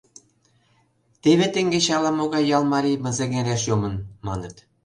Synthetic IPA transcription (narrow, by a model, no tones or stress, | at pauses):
t̪eβet̪ĕŋɡʲeɕɑlˠɑmoɣɑjjːɑlˠmɑɾʲijmɘ̆zĕɡeɾʲeʃjomɤ̆nmɑnɤ̆t̪